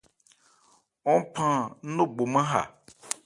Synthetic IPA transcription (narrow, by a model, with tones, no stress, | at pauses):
wɔ̃˦pʰã˦nõ˦ɡ͡bo˨mɛ̃˦ɦa̰˨